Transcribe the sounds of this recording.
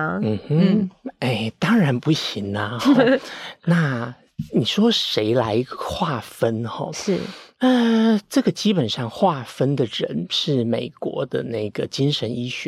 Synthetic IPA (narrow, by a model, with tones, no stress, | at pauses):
n̩˨˩˥e˥˩ɪt̪ɑ˥ŋɻa˧˥npu˥˩ɕi˧˥ŋnɐ˧xɔ˥na˥˩ | ni˨˩ʂwɔ˥ʂe˧˥ɪla˧˥ɪxwa˥˩fə˥nxɔ̰˥˩ɻ̩˥ə˧ʈ͡ʂɤ˥˩ɡə˩t͡ɕi˥pə˨˩nʂɑ˥˧ŋxwa˥˩fə˥nd̪ə˨ɻə̰˧˥nʂɻ̩˥˩me˨˩ɪkwɔ̰˧˥d̪ə˧na˥˩ɪɡ̥ə˩t͡ɕi˥ŋʂə˧˥ni˥ɕɥɛ˧˦